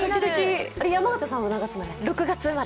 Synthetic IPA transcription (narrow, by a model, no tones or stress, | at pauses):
ood̪akʲiaɾejamaɡɯt̪asãonaɡat͡sɨmad̪eɾokɯ̟ɡat͡sɨmad̪